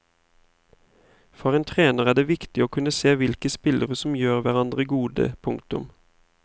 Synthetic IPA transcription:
fɔʁeːnt̪ʰʁeːnəʁæːd̪eːʋɪkt̪ɪoːkʰʉnəseːʋɪlkəspɪlʔəʁəsɔmjøːʁʋæʁɑnd̪ʁəɡuːd̪ə̰pʰʊŋkt̪ʉm

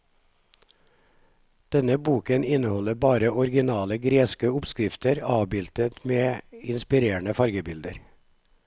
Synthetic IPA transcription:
d̪̥ɛnəbuːkənɪnəhɔləbɑːɾəɔɾɡɪnɑːləɡɾeːskəʊpskɾɪft̪əɾɑːʋbɪlt̪ət̪meːɪnspɪɾeːɳəfɑɾɡəbɪld̪əɾ

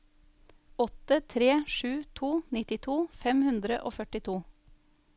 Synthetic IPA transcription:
ɔt̪ət̪ʰɾeːʃʉːt̪ʰuːnɪt̪ɪt̪ʰuːfɛmhʉnd̪ɾəʔo̰ːfœʈɪt̪ʰuː

